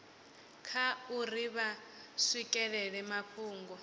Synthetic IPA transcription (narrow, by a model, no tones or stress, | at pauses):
kʰauriβa | swikʼɛɺɛɺɛmaɸʰuːŋɡɔ